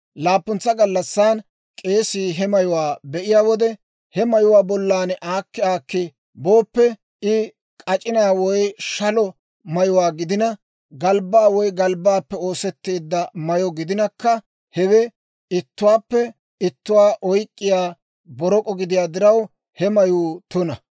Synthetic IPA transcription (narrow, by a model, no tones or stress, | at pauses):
laːpːʊnt͡sːɐɡɐlːɐsːaːn | kʼe̞ːsiːɦɛmɐjʊwaːbɛʔɪjaːwɔd̪ɛ | hɛmɐjʊwaːbɔlːaːnʔaːkːɪaːkːɪ | bo̞ːpːɛ | ɪ | kʼɐt͡ʃʼɪnaːwɔjʃɐlɔ | mɐjʊwaːɡɪd̪ɪnɐ | ɡɐlbaːwɔjɡɐlbaːpːɛo̞ːsɛt̪ːe̞ːd̪ːɐmɐjɔɡɪd̪ɪnɐkːɐ | hɛwɛ | ɪt̪ːʊwaːpːɛ | ɪt̪ːʊwaːʔɔjkʼːɪjaː | bɔɾɔkʼɔɡɪd̪ɪjaːd̪ɪɾɐw | hɛmɐjuːt̪ʊnɐ